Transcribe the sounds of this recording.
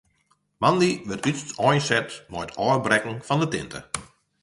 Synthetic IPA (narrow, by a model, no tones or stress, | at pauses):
mandiʋɪtyttɔjnsɛtmɔjətʰɔːrbrɛkŋ̩fɔndətɪ̰ntʰə̰